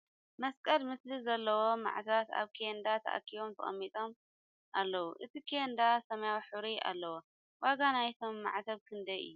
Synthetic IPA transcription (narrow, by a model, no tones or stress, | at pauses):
mɐskʼɐlmɨslɨzɐlːɐwo̞ma̰ʕt̪ʰat̪a̰βkʰend̪at̪ʰɐ̰ʔa̰kʰːiβomt̪ʰɐχʼɐ̰mːit̪ʼo̞m | ʔalːɐwuʔɨt̪ʰikʰiend̪asɐmɐjawħɨβɾiʔa̰lːɐwo | waɡanajt̪ʰo̞mːa̰ʕt̪ʰɐβkʰɨnd̪ɐɨ̰jːu